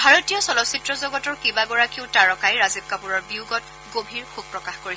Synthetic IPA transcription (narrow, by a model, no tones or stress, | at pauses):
bʱaɹotijɔsɔlɔsitɹɔzɔɡɔtɔɹkibaɡɔɹakiʊtaɹɔkajɹazib̚kapuɹɔɹbiuɡɔt | ɡobʱiɹxuɡ̚pɹɔkaxkoɹisɛ